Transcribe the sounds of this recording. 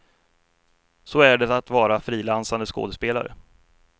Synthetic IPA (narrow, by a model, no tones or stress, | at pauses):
sɔæɖɛt̪at̪vɑːɾafɾiːlansand̪əsko̰ːd̪əspeːla̰ɾə̰